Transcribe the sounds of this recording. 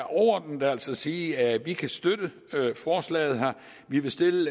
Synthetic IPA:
ʔɒʊɐd̥n̩d̥ææl̰sɒsiːæʋikʰæsd̥ød̥ə | øfɒːslɛ̰ɪð̞̩ˠɦæɐ̰ | ʋiʋe̝sd̥e̝lə

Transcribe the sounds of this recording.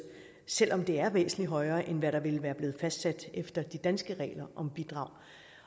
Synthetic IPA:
sel̰ʔɒ̽md̥e̝æɐʋḛːsn̩liɦɒ̽ɪɐːʔenʋæɾ̥ɑ̈ʋe̝lʋæːɐb̥le̝ːð̞̩ˠfæsd̥sæd̥efd̥ɐd̥id̥ænsɡ̥əʁɛ̰ːlɐʔɒ̽mb̥id̥ʁɑ̈ʊ̰

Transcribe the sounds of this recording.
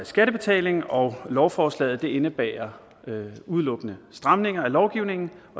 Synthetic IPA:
sɡ̥æɾ̥əb̥e̝t͡sʰɛ̰ːle̝ŋn̩ɒ̽ʊlɒʊfɒːslɛ̰ːð̩ˠd̥e̝e̝nəb̥ɛ̰ːɐ | uð̞ˠlɔ̽ɡ̥ənəsd̥ʁɑ̈mne̝ŋɐælɒʊɡ̥iʊne̝ŋn̩ | ɒ

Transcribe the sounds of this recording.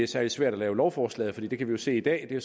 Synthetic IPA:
eæsæɐli̥sʋæɐ̰ɾ̥ɒlɛːʊlɒʊfɒːslɛ̰ːð̩ˠfɒd̥ḭːd̥e̝kʰæʋijo̝se̝̰ːid̥ɛ̰ːd̥e̝æ

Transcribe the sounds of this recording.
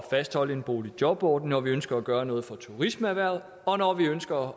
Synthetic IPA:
fæsd̥hɒ̽l̰əe̝nb̥o̝̰ːlid̥jɒ̽b̥ɒ̰ːd̥n̩ːɒʋiønsɡ̥ɐæɡ̥ɶːɐnɔ̽ːð̞̩ˠfɒ̽t͡sʰuʁisməæʋæɐ̰ð̩ˠ | ɒ̽nɒʋiønsɡ̥ɐ

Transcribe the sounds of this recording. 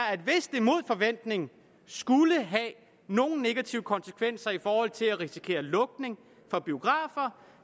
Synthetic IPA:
æd̥ʋe̝sd̥emo̝ð̞̰ˠfɒ̽ʋen̰d̥ne̝ŋn̩ | sɡ̥uləɦæ | no̝ːn̩ne̝ɡ̥æt͡sʰiʊəkʰɒ̽nsəkʰʋen̰sɐifɒːhɒ̽l̰t͡sʰe̝læʁisi̥kʰe̝̰ːɐlɔ̽ɡ̥̚ne̝ŋ | fɒ̽b̥io̝ɡ̥ʁɑ̈ːfɐ

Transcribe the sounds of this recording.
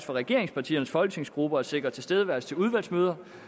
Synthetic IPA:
sfɒ̽ʁɛɡ̥e̝ɐe̝ŋspʰɑ̈t͡sʰḭːɐnəsfɒ̽lɡ̥ə̥t͡sʰe̝ŋsɡ̥ʁub̥ɐɒ̥se̝ɡ̥ʁɐt͡sʰe̝sd̥eð̞ˠəʋæɐst͡sʰe̝luð̞ˠʋæl̰smøːð̞ˠɐ

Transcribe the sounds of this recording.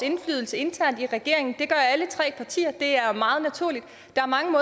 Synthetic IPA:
e̝nflyːð̞ˠl̩səe̝nt͡sʰæɐ̰nd̥iʁɛɡ̥e̝ɐe̝ŋn̩d̥e̝ɡ̥ɶɐælət͡sʰʁɛ̰ːpʰɑ̈t͡sʰḭːɐd̥e̝æɐmɑ̈ːð̩ˠnæt͡sʰuɐlid̥ | d̥ɑ̈æɐmɑ̈ŋəmɔ̽ː

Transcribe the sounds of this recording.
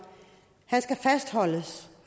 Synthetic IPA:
hænsɡ̥æfæsd̥hɒ̽l̰əs

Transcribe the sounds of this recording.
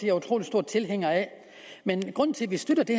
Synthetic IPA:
d̥eæɐut͡sʰʁo̝ːlisd̥o̝ɐ̰d̥̚t͡sʰe̝lɦeŋ̰ɐɛ | menɡ̥ʁɔ̽n̰n̩t͡sʰe̝lʋisd̥ød̥ɐd̥e̝

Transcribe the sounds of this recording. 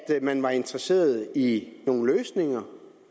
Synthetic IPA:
d̥mænʋɑ̈e̝nd̥ʁɐse̝̰ːɐð̞̩ˠino̝ːn̩løːsne̝ŋɐ

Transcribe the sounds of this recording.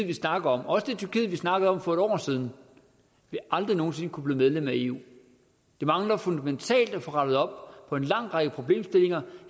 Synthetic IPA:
ʋisnɑ̈ɡ̥əð̩ˠɒ̽mɒ̽səd̥e̝t͡sʰyɐkið̰̩ˠʋisnɑ̈ɡ̥əð̞̩ˠɒ̽mfɒ̽e̝ɾ̥ɒ̰ːsið̞ˠn̩ | ʋeʔɑ̈ld̥ʁino̝ːn̩se̝nəkʰub̥liːmeð̞ˠlem̰æe̝ːṵː | d̥e̝mɑ̈ŋlɐfɔnd̥æment͡sʰɛ̰ːld̥æfɒ̽ʁɑd̥ð̩ˠɒ̽b̥̚pʰɒ̽e̝nlɑ̈ŋ̰ʁɑ̈ɡ̥əpʰʁo̝b̥le̝̰ːmsd̥e̝le̝ŋɐ

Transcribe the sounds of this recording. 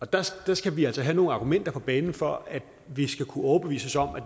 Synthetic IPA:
ɒ̽d̥ɑsd̥ɑ̈sɡ̥æʋiæl̰sɒɦæno̝ːŋn̩ɑ̈ːɡ̥umen̰d̥ɐpʰɒ̽b̥ɛːnn̩fɒ̽æd̥ | ʋisɡ̥ækʰuɒːb̥e̝ʋḭːsɒsɒ̽m̰æ

